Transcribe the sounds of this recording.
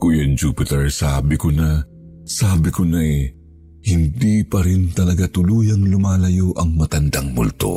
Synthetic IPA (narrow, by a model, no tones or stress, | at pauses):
kujɐnd͡ʒuːpɪt̪ɛɹsaːbɪkonɐ | saːbɪkonɐɛ | hɪnd̪iːpɐɾɪnt̪ɐlɐɡat̪ʊluːjɐŋlʊmaːlɐjo̞ʔɐŋmɐt̪ɐnd̪aŋmʊlt̪o̰